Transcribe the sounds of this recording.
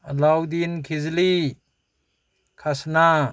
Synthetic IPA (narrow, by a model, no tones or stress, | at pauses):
əlawd̪inkʰizli | kʰasna